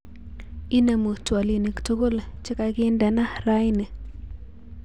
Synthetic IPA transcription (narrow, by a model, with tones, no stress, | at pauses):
i˦ne˨mo˨twa˨li˨ni˨kto˦ɡo˦lt͡ʃɪ˦ka˨ɡɪ˦ndɛ˨na˦ɾa˦jne˨